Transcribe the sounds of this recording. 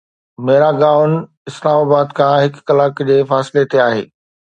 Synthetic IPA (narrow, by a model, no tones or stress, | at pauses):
meːɾaɡaːʋn | ɪslaːmaːbaːd̪kʰãɦɪkːɐlaːkd͡ʑeːfaːsɪlet̪eaːɦḛː